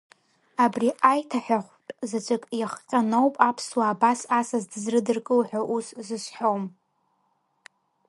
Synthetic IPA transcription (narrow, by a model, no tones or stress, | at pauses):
abriʔajtʰaħʷᶣaχʷtʼzat͡ʃʷʼɨkʼjaχqʲʼanowpʼapʰswaːbasasazdɨzrɨdɨrkʼɨlħᶣaʔuszɨsħom